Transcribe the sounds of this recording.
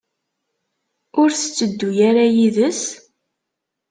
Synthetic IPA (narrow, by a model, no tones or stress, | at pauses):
ʊɾθə̥t͡sːəd̪ːujaɾajiðəs